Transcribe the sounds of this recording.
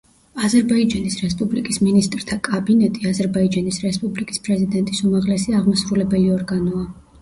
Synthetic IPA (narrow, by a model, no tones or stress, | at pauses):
azɛɾbaid͡ʒanisɾɛspʼublikʼisminist̪ʼɾt̪ʰakʼabinɛt̪ʼiazɛɾbaid͡ʒanisɾɛspʼublikʼi̥spʼɾɛzid̪ɛnt̪ʼisumaʁlɛsiaʁmɔsɾulɛbɛliɔɾɡanɔa